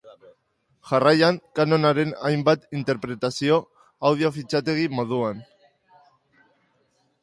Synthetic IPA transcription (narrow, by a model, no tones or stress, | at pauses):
ʝarajaŋkano̞naɾe̞najmbat̪int̪e̞ɾpɾe̞t̪asio̞ | awð̞io̞fit͡ʃat̪e̞ɣ̞imo̞ð̞uan